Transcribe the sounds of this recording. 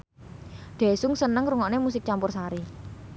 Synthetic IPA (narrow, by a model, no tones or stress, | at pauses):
ɖ̪̥ɛ̤sʊŋsənəŋɾuŋɔʔnemus̬ɪk̚t͡ʃampʊrsaɾi